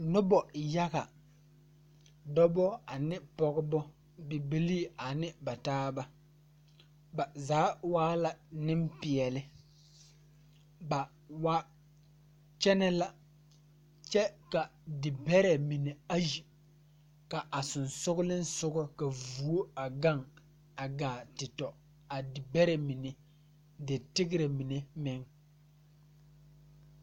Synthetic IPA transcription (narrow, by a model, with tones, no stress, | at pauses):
nʊ˦bɔ˨ja˦ɣa˨ | dɔ˦bɔ˦a˨nɪ˦pɔ˨ɣɪ˦bɔ˦ | bɪ˨bi˦li˦a˨nɪ˦ba˨taː˦ba˦ | ba˨zaː˨˦waː˦la˨nɪ˦mpɪ˨ɛ˨lɪ˦ | ba˨ | wa˦ | t͡ʃɛ˦nɛ˦la˨ | t͡ʃɛ˦ka˨dɪ˨bɛ˦ɾɛ˨mi˨ne˨a˦ji˨ | ka˨ʔa˨sʊ˨nsʊ˦ɡʊ˦lɪ˦n̩˦sʊ˦ɡɔ˦ka˨vu˨˦o˦a˨ɡa˦ŋ | a˨ɡaː˨tɪ˨tɔ˨ | a˨dɪ˨bɛ˦ɾɛ˨mi˨ne˨ | dɪ˨tɪ˦ɡɪ˦ɾɛ˨mi˨ne˨mɪ˦ŋ